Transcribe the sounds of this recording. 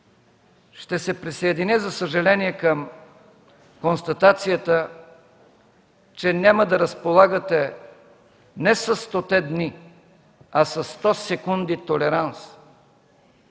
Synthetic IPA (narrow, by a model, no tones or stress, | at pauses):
ʃt̪ɛsɛpɾisɐɛd̪inizɐsəʒɐlɛniɛkəm | konst̪ɐt̪at̪sijət̪ə | t͡ʃɛnʲjaməd̪ɐɾəspolˠaɡət̪ɛ | nɛsɐst̪ot̪ɛd̪ni | ɐsɐsːt̪ɔsɛkund̪it̪olɛɾans